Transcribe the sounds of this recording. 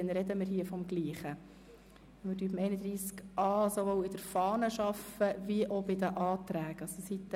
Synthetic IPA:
ɛnɾɛd̪əmɪɾɦiːəfɔmɡliːχə | mɪdyːbmɛɪnəd̪ɾiːskɑːsoʋowɪd̥əɾfɑːnəʃɑfəviʔɔbɪd̪əʔɑːt̪ɾæːɡ̥ɑssit̪ː

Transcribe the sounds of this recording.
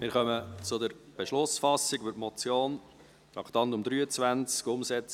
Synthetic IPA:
mɪːɾχœmət͡sʊd̪əɾb̥eʃlʊsfɑsːɪɡʋʏtmɔt͡sjoːn | t̪ɾɑkʰt̪ɑntʊmd̥̪ɾyːət͡svænt͡skʊmsɛt͡s

